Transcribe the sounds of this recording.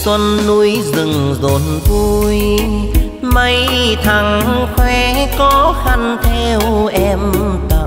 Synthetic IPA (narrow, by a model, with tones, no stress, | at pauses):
swə˧nːu˧jzɨ˨˩ŋzo˨˩nvu˧j | mə˧˦jt̪ʰa˨˩ŋxwɛ˧kɔ˧˦xa˧˩ŋt̪ʰe˧wʔɛ˧mt̪a˨˩